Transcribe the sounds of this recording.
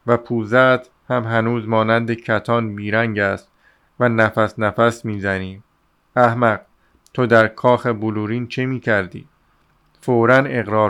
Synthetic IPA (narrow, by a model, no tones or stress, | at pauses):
væpʰuːzæt̪ | hæmɦænuːzmɒːnænd̪ecʰæt̪ʰɒːnbiːɾæŋɟæst̪ | vænæfæsnæfæsmiːzæniː | æhmæɢ̚ | t̪ʰod̪æɾkʰɒːxeboluːɾiːnt͡ʃʰemiːcʰæɾd̪ḭː | foːɾæne̞ɣɾɒːɾ